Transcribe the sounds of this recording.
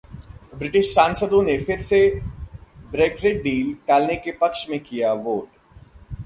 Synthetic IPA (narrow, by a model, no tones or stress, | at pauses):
bɾɪʈɪʃsaːnsəd̪õnefʰɪɾse | bɾeːɡzɪʈ̚ɖiːlʈaːlnekepɐkʃmẽkijaʋoːʈ